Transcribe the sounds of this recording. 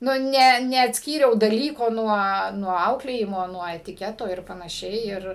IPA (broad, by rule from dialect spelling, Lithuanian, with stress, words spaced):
nʊ ˈnʲɛ nʲɛɐtʲsʲˈkʲiːrʲɛʊ dɐˈlʲiːkoː nuɔ nuɔ ˈɐʊklʲeːjɪmoː nuɔ ɛtʲɪˈkʲæːtoː ˈɪr pɐnɐˈʃʲɛɪ ɪr